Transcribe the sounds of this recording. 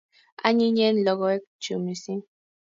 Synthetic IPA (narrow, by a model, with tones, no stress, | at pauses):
a̰˦ɲi˦ɲɛ˦n˨lɔ˦ɡɔ˦e˦k̚t͡ʃu˨mi˨sĩ˦